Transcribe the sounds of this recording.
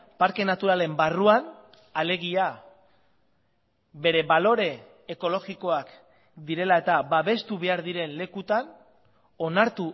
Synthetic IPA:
paɾke̞nat̪uɾale̞mbaruan | ale̞ɣia | be̞ɾe̞βalo̞ɾe̞ː | ko̞lo̞ɣiko̞ak | d̪iɾe̞lae̞t̪aβaβe̞st̪uβe̞aɾðiɾe̞nle̞kut̪an | o̞naɾt̪u

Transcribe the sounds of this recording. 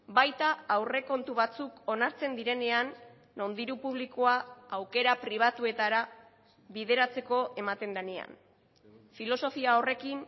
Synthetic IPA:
bajt̪aːwre̞ko̞nt̪uβat͡suko̞naɾt͡se̞nd̪iɾe̞ne̞anː | o̞nd̪iɾupuβ̞likoaawke̞ɾapɾiβ̞at̪ue̞t̪aɾa | βið̞e̞ɾat͡se̞ko̞ʔe̞mat̪e̞nlanea̰n | filo̞so̞fiao̞re̞kin

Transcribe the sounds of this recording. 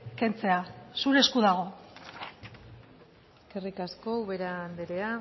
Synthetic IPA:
ke̞nt͡se̞asuɾe̞skuðaɣ̞o̞ | eske̞rikasko̞uβe̞ɾaːnd̪eɾea

